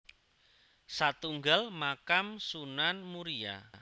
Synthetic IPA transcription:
sat̪uŋɡalmakamsunanmuɾia̰

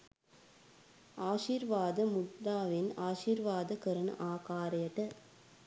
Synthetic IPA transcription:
aːʃiːɾʋaːd̪ɐmʊt̪ːaːʋɪnaːʃiːɾʋaːd̪ɐkɐɾɐnɐ̰ʔaːkaːɾɐjɐʈɐ

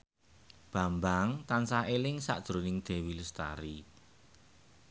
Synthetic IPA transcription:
b̥a̤mbaŋt̪ansaelɪŋsa̰ʔd̥ʒ̥ɾonɪŋd̪̥e̤wiləst̪a̰ɾi

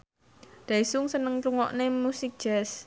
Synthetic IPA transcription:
d̪̥aisʊŋsənəŋtuŋɔ̰ʔnemusɪk̚d̥ʒ̥ɛs

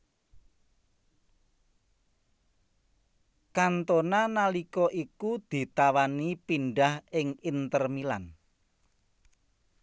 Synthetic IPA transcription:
kant̪onanalikɔʔikud̪̥i̤t̪awanipiɳɖahɪŋint̪ərmilan

